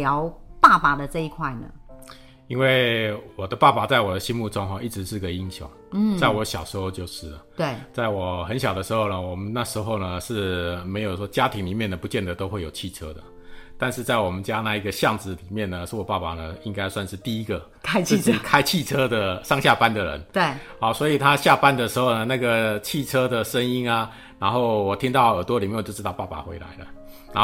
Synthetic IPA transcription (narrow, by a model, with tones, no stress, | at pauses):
ljɑ˧˦ʊpa˥˩pa˨˩d̪ə˨ʈ͡ʂɤ˥˧i˥kʰwa˥˩ɪnə̰˩ | i˥nwe˥˩ɪwɔ˨˩d̪ə˦pa˥˩pa˨˩t͡sa˥˩ɪwɔ˨˩d̪ə˦ɕi˥nmu˥˩ʈ͡ʂo˥ŋxɔ˨˧i˥˩ʈ͡ʂɻ̩˧˦ʂɻ̩˥˩˧ɡə˨˩i˧˥nɕjo̰˥˩ŋ̩˥˩t͡sa˥˩ɪwɔ˧˦ɕjɑ˨˩ʊʂɻ̩˧˥xo˥˧ʊt͡ɕjo˥˧ʊʂɻ̩˥˩ə˩t̪we˥˩t͡sa˥˩ɪwɔ˨˩xə˧˦nɕjɑ˨˩ʊd̪ə˦ʂɻ̩˧˥xo˥˩ʊnə˩wɔ˨˩mə˦nna˥˩ʂɻ̩˧˥xo˥˩ʊnə˩ʂɻ̩˥˩me˧˥ɪjo˨˩ʊʂwɔ˥t͡ɕja˥t̪ʰi˧˥ŋli˨˩mjɛ˥˩nd̪ə˩pu˧˦t͡ɕjɛ˥˩nd̪ə˩t̪o˥ʊxwe˥˩ɪjo˨˩ʊt͡ɕʰi˥˩ʈ͡ʂʰɤ˥d̪ə̰˨ | t̪a˥˧nʂɻ̩˥˧t͡sa˥˩ɪwɔ˨˩mə˦nt͡ɕja˦˥na˥˧i˧˥ɡə˨ɕjɑ˥˨˩ŋt͡sɹ̩˧˩li˨˩mjɛ˥˩nnə˩ʂ̩˥˩wɔ˨˩pa˥˩pa˨˩nə˩i˦˥ŋka˥ɪswa˥˧nʂɻ̩˥˧t̪i˥˩i˦˥ɡə˨ | kʰɪt͡ɕʰt͡ɕkʰa˥ɪt͡ɕʰi˥˩ʈ͡ʂʰɤ˥d̪ə˨ʂɑ˥˧ŋɕja˥˧pa˥nd̪ə˨ɻə̰˧˦nt̪we˥˩ha˨˩ʊswɔ˧˥i˨˩t̪ʰa˦˥ɕja˥˧pa˥nd̪ə˨ʂɻ̩˧˥xo˥˧ʊnə˨na˥˩ɡə˩t͡ɕʰi˥˩ʈ͡ʂʰɤ˥d̪ə˨ʂə˦˥ŋi˥na˨ | na˧˥nxo˥˩ʊwɔ˨˩t̪ʰi˥ŋt̪ɑ˥˩ʊə˨˩t̪wɔ˥li˨˩m˥˨jɻ̩˧˥t̪ɑ˥˧ʊpa˥˩pa̰˨˩xwe˧˥ɪla̰˧˦ɪlə̰˧na˧˥